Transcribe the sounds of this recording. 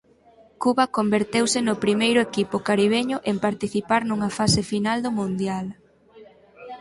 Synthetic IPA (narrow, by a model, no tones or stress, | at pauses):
kuβɐkombeɾt̪ewsɪnʊpɾimejɾʊekipʊkaɾiβ̞eɲʊʔempaɾt̪iθipaɾnuŋɐfasɪfinald̪ʊmũnd̪jal